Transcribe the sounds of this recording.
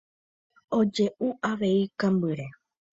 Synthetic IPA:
o̞d͡ʒe̞ʔuaʋe̞ikãmbɨɾe

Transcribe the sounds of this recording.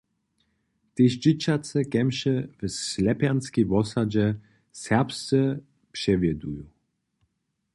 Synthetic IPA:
t̪eʃd͡ʑɪt͡ɕat̪t͡s̪ɛkɛmʃɛvslɛpjanskʲivɔsad͡ʑɛ | sɛʁpst̪ɛ | pʂɛvʲjɛd̪uju

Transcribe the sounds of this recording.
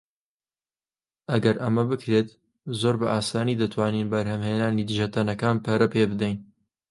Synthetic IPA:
ʔɐɡɐɾʔɐmɐbɨkʰɾeːt̪ | zoːɾbɐʔaːsaːniːd̪ɐt̪ʰwaːninbɐɾhɐmheːnaːnid̪ɨʒɐt̪ʰɐnɐkaːnpʰɐɾɐpeːbɨd̪ɛjn

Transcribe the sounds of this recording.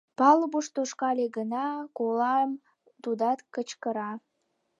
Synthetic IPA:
pɑləbuʃt̪oʃkɑleɡənɑkolɑm | t̪ud̪ɑt̪kət͡ɕkəɾɑ

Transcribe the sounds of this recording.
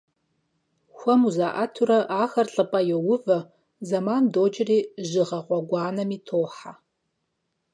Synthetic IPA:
xʷɐmuzaːʔɐtʰuɾɐʔaːxɐrɬʼɨpʼɐjɛwʊvɐ | zɐmaːndoːd͡ʒɪriːʒɨʁɐʁʷʼɔɡʷɑːnɐmiːtʰoːħa

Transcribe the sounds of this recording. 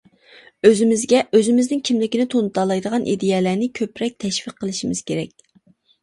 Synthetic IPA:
øzɪmɪzɡʲɛʔøzɪmɪznɪŋkʲʰimlɪkʲinɪt̪ʰont̪ɑlˠɑjd̪əʁɑnʔḭd̪ejɛlænɪkʲʰøpɾɛk̚ʲt̪ʰɛʃfiqʰːəlˠɨʃimɪz̥kʲʰeɾɛkʲ

